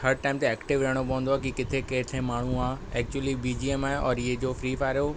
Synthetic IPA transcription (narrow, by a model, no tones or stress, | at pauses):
hɐɾʈaːɪmt̪eɛːkʈɪʋʋeɦəɽ̃op̬ɐʋə̃n̆d̪oaːkikɪt̪ʰekeɦt̪ʰemaːɳ̤uãːɛːk̚t͡ɕuəlibiːd͡ʑiːemaːeɔːɾɪɦd͡ʑoːfɾiːfaːɾo